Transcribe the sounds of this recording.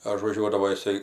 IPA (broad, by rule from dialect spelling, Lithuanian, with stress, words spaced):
ɐʒʋɐˈʒʲuɔdɐʋoː jɪˈsɐɪ